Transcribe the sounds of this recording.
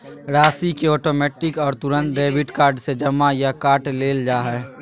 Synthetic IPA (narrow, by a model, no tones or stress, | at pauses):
ɾaːsikeɔːʈoːmɛːʈɪkɔːɾt̪ʊɾə̃nt̪ɾeːbɪʈkaːɾɖsed͡ʒɐmajakaːʈleːld͡ʒaːɦɛː